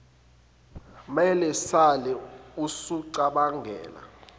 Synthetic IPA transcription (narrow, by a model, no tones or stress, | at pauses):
mɛlɛsalɛusuǀaɓaŋʱɛ̰ːla̰